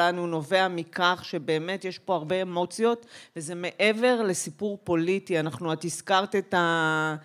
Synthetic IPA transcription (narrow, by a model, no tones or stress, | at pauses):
anuno̞ve̞amikaχʃe̞be̞ːme̞tjeʃpo̞aʁbeːmo̞t͡sjo̞tveze̞me̞ʔe̞ve̞ʁle̞sipuʁpo̞litianaχnuat̪iskaʁt̪eta